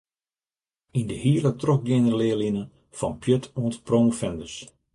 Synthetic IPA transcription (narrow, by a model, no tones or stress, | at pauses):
indəhiːlətrok̚dɪnərlɪːlinə | fɔnpʰjøtʰoəntproːŋfɛndəs